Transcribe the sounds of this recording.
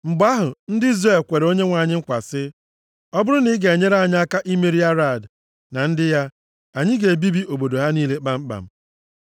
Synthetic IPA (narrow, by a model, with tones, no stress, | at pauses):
ŋ͡m̩˨ɡ͡ba˦ɦʊ˨n̩˦dɪ˦i˦zɾe˦˨lkʷe˨ɾo˦ɲe˦ŋʷa˨ɲɪ˦ŋ̩˦kʷa˨sɪ˦ | ɔ˦bʊ˦ɾʊ˦ni˦ɡe˨e˨ɲe˦ɾa˦˨ɲɪ˦a˦ka˦ʔi˦me˨ɾi˦a˦ɾa˨d | na˨n̩˦dɪ˦ja˦ | a˨ɲɪ˦ɡe˨bi˦bi˦ʔo˨bo˨do˨ɦa˦niː˦le˦k͡pa˨m̩˦k͡pa̰˨m̩˨